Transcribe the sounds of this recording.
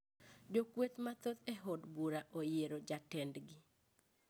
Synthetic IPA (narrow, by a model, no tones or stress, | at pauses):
d͡ʒokwet̪mat̪ot̪eɦodbuɾaʔojeɾod͡ʒatɛndɡɪ